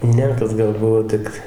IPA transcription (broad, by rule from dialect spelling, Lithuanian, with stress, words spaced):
ˈnʲɛ kɐt ˈɡɐlˠ ˈbʊʋoː ˈtʲɪk